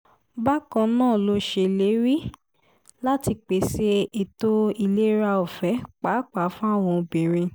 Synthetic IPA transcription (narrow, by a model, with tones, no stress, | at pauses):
ba˦kã˧nãː˦˨lo˦ʃe˧˨le˨˦ɾi˦ | la˦ti˧k͡pe˨˦se˧˦e˨to˦i˧le˦ɾa˧o˨fɛ˨˦k͡pa˨˦k͡pa˨˦fũ˦a˦˨w̃ɔ̃˧o˧bĩ˨ɾ̃ĩ˧